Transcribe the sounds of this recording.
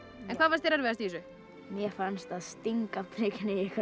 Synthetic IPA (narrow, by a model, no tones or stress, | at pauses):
ɛnkʰvaːðvaɾst̪θejɾaɾvɛðast̪isʏ | mjɛfanst̪aðst̪iŋkapʰɾɪknɪjɛka